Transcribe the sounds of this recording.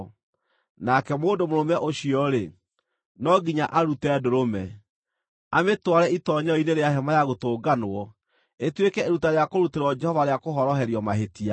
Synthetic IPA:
nakɛmoːndomoɾomɛʔoɕiɔɾe | nɔɡiɲaʔaɾutɛːdoɾomɛ | ametwaɾɛitɔɲɔineɾeaɦɛmajaɣotoːɡanoɔ | etwekɛeɾutaɾeakoɾuteɾɔd͡ʒɛhɔvaɾeakoɦɔɾɔɦɛɾjɔmaɦetia

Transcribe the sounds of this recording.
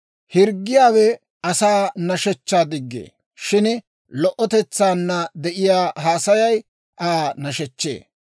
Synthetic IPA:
hɪɾɡːɪjaːwɛ | ɐsaːnɐʃɛt͡ʃːaːd̪ɪɡːḛː | ʃɪn | lɔʔɔt̪ɛt͡sːaːnːɐd̪ɛʔɪjaːɦaːsɐjɐj | ʔaːnɐʃɛt͡ʃːḛː

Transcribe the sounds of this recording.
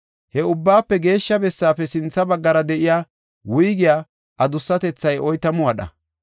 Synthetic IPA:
hɛʊbːaːpːɛɡe̞ːʃːɐbɛsːaːpːɛsɪnt͡sːɐbɐɡːɐɾɐd̪ɛʔɪjaː | wʊjɡɪjaː | ʔɐd̪ʊsːɐt̪ɛt͡sːɐjɔjt̪ɐmʊwɐɗɐ̰

